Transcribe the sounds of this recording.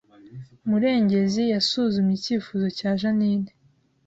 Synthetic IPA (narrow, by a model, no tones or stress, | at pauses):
muɾe̞ːɲɟe̞zijasuːzumiciːfuːzo̞caːʒaniːne